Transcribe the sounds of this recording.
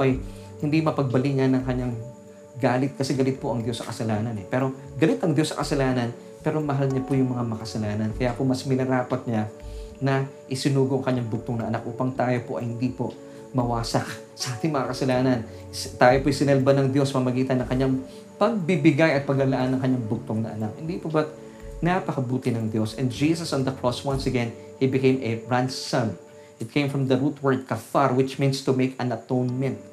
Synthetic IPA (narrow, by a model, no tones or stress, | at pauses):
poʔɐj | hɪnd̪imɐpɐɡ̚bɐliɲanɐŋkɐɲaŋ | ɡaːlɪt̪̚kɐsɛɡɐlɪt̪̚po̞ʔɐŋd̪jo̞sːɐkɐsɐlaːnɐnɛpɛːɾo̞ | ɡɐlɪt̪ɐŋd̪jo̞sːɐkɐsɐlaːnɐn | pɛːɾo̞mɐɦalɲɐpojʊŋmɐŋamɐkɐsɐlaːnɐnkɐjapomɐsmɪlɐɾaːpɐt̪̚ɲanɐ | ʔɪsɪnuːɡoʔɐŋkɐɲːaŋbʊɡ̚t̪oŋnɐʔɐnak̚ʔuːpɐŋt̪aːjo̞poʔɐjhɪnd̪ipo̞ | mɐwaːsɐk | sɐʔaːt̪ɪŋmɐŋakɐsɐlaːnɐn | t̪aːjopoʔjsɪnɛlbanɐŋd̪jo̞smɐmɐɡiːt̪ɐnːɐŋkɐɲːaŋ | pɐɡ̚bɪbɪɡajɐt̪̚pɐɡɐlɐʔanːɐŋkɐɲːaŋbʊɡ̚t̪oŋnɐ̰ʔɐnak̚hɪnd̪iːpobɐt̪̚ | napɐkɐbuːt̪ɪnɐŋd̪jo̞sʔɛ̃nd̪̚d͡ʒiːsɐsɐnd̪ɐkɹoswɐnsɐɡɛn | hibɪkẽjmʔɛɹansɐm | ʔɪt̪̚kʰẽjmfɹɐmd̪ɐɹut̪wɛɹd̪̚kɐfaɹwɪt͡ʃmĩnst̪umejkɐ̃nɐt̪ownmɛnt̪̚